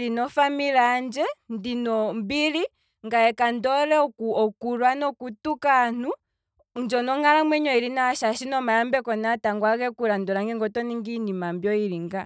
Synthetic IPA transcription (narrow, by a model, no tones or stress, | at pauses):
linɔfamiland͡ʒɛndinɔmbili | ŋɡaɛkandɔɾɛɔkuɔkuɾwanɔkutukaːn̥u | nd͡ʒɔnɔŋalamwɛɲɔiɾinaaʃaʃinɔmajambɛkɔnataŋɡwakɛkuɾandɔɾaŋɡɛŋɡɔtɔniŋɡinimambjɔiɾiŋɡa